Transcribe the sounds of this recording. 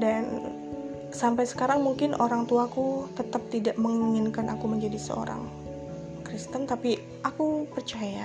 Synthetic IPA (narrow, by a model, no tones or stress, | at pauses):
dan | sampajsə̥kaɾaŋmuŋkɪnʔoɾaŋt̪uakut̪ət̪ap̚t̪idaʔməŋiŋɪnkanʔakuməɲd͡ʒadisə̰o̰ɾa̰ŋ | kɾist̪ənt̪api | ʔakupərt͡ʃaja